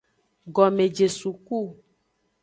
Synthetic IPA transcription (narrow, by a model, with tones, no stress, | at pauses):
ɡɔ˨mẽ˨d͡ʒe˨su˨ku˦˨